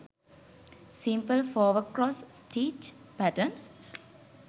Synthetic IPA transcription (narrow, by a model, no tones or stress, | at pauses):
sĩmpəlfɔːʋəkɾɔːssʈeːʈ | pæʈəns